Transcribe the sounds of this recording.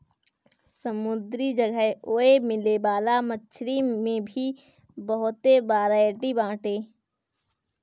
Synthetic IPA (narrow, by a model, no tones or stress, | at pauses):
səmʊd̪ɾid͡ʒəɡəɦoːemɪlebaːlamət͡ʃʰɾimẽbʱi | bəɦʊt̪ebaːɾaeʈibãːʈeː